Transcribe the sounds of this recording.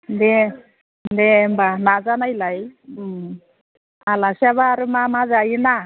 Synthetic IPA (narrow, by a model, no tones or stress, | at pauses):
ndɛ | ndɛmbanazanajlaj | alasaβaːɾɯmamazajina